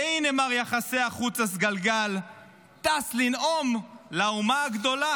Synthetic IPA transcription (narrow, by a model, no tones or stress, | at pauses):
ejnemaʁjaχase̞aχut͡sas̬ɡalɡal | t̪aslinomlaumaaɡd̪o̞la